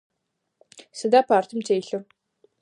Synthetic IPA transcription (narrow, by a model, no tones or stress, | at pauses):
sɨdaːpʰaːrt̪ʰɨmtʰeːjɬɨ